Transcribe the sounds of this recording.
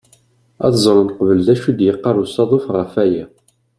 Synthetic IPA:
æ̰θzˤɾˤənqvəld̪æʃud̪jəqːɑɾˤusɑðˤofʁəfæjæ

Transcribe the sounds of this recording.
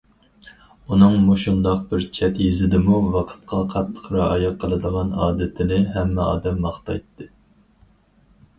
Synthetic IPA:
unɨŋmuʃund̪ɑq̚bɪɾt͡ʃʰɛt̪jizɪd̪ɪmuvɑqʰə̥t̪̚qʰɑqʰɑt̪ʰːə̥qʰɾɑɑjɑqʰːəlˠɨd̪əʁɑnɑ̰ːd̪ɪt̪ʰɪnɪɦɛmːɛɑ̰ːd̪ɛmːɑχt̪ɑ̰jt̪ʰːɨ

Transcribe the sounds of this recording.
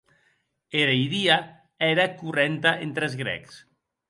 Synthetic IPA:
eɾejðia | ɛɾakurent̪aʔent̪ɾɛzɣɾɛ̰ks

